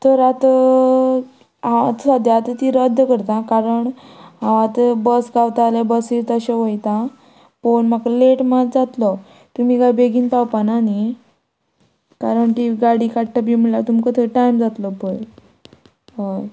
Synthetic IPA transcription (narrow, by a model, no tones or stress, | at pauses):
t̪əɾat̪ə | aat̪sad̪jaːt̪ət̪iɾəd̪ʱjəkəɾt̪ãkaɾəɳãʋãt̪əbəsɡawt̪alebəsiɾt̪əɕeʋəjt̪ã | ponmakaleʈmat̪d͡zat̪lɔ | t̪um̤iɡabeɡiːnpawpanani | kaɾəɳt̪iɡaɽiːkaʈʈabimiɭlat̪umkət̪ʰeʈajmd͡zat̪lɔpəj | ɦoj